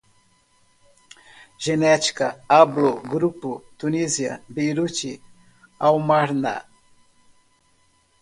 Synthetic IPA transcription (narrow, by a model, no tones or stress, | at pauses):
ʒ̥enɛt͡ʃi̥kɐabloɡɾupʊt̪uniziɐ̰bejɾut͡ʃi | awmaɾna̰